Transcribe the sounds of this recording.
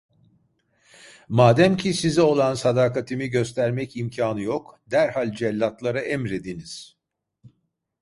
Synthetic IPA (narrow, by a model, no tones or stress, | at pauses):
maːd̪æmcʰisizio̞lˠansad̪aːkat̪ʰimiɟø̞st̪ʰæɾmɛcimcʰaːnɯjokd̪æɾhalʲd͡ʒɛlʲːat̪lˠaɾaʔɛmɾed̪iniz̥